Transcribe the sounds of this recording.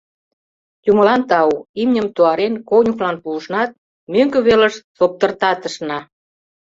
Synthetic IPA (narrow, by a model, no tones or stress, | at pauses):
jumə̆lɑnt̪ɑuimnʲə̆mt̪oɑɾenkonʲuklɑnpulʃnɑt̪̚ | møŋkø̆βelə̆ʃsop̚t̪ə̆rt̪ɑt̪ə̆ʃnɑ